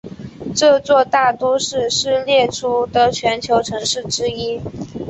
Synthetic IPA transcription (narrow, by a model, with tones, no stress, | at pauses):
ʈ͡ʂɤ˥˧t͡swɔ˥˧t̪a˥˩t̪u˥ʂɻ̩˥˧ʂɻ̩˥˧ljɛ˥˩ʈ͡ʂʰu˥d̪ə˧t͡ɕʰɥɛ˧˥nt͡ɕʰjo˧˥ʊʈ͡ʂʰɤ˧˥ŋʂɻ̩˥˩ʈ͡ʂɻ̩˥i˥